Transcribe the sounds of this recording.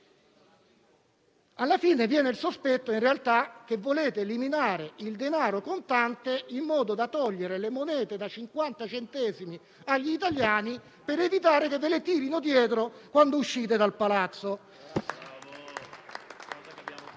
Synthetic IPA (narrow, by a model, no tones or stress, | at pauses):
alːafiːnevjɛːneilsospɛt̪ːoinrealt̪ak̟evːoleːt̪eliminaːɾeild̪enaːɾokont̪ant̪eimːɔːd̪od̪at̪ɔʎːeɾelemonɛːt̪ed̪at͡ʃiŋkwant̪at͡ʃent̪ɛːzimi | aʎːiːt̪aljaːni | peɾevit̪aːɾekevːelet̪iːɾinod̪jɛːt̪ɾokwand̪ouʃːiːt̪ed̪alpalat̪sːo